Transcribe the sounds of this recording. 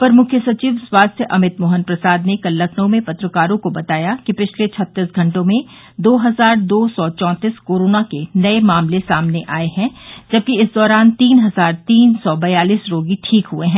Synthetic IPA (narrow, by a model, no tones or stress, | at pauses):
pɐɾmʊkʰjəsɐt͡ʃiːʋswaːst̪ʰjəʔɐmɪt̪moːɦənpɾɐsaːd̪nekɐlːəkʰnõmẽpɐt̪ɾəkaːɾõkobɐt̪aːjakipɪt͡ʃʰlet͡ʃʰɐt̪ːɪsɡʱɐ̃ɳʈõmẽ | d̪oːɦɐzaːɾd̪oːsɔːt͡ʃɔ̃ːt̪iskoːɾoːnakenɐemaːmlesaːmneʔaːeɦɛ̃d͡ʒɐb̚kiɪsd̪ɔːɾaːnt̪iːnɦɐzaːɾt̪iːnsɔːbɐjaːliːsɾoːɡiʈʰiːkɦueɦɛ̃ː